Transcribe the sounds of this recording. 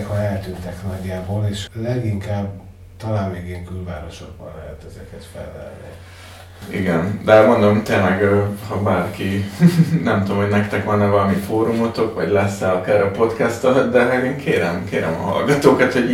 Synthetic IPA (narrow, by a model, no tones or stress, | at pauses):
khɒɛlt̪ynt̪ɛknɒɟːaːboːleːʃlɛɡiŋkaːb | t̪ɒlaːnmeːɡeːŋkylva̰ːɾo̞ʃo̞ɡ̚bɒ̰nlɛɦɛt̪ɛzɛkɛt̪fɛ̰lvɛ̰rnḭ | ḭɡɛnd̪ɛmo̞nd̪o̞mt̪eːnlɛɡhɒbaːrki | nɛmt̪omɦo̞ɟnɛkt̪ɛkʋɒnːɛʋɒlɒmifoːɾumot̪o̞kʋɒ̰ɟlɛsːɛɒkaːɾɒpo̞t̪kɛst̪ɒd̪ɛɦɛɡeːŋkʰeːɾɛmkeːɾɛ̰mɒ̰ɦɒ̰lɡɒt̪oːkɒt̪ho̞ɟ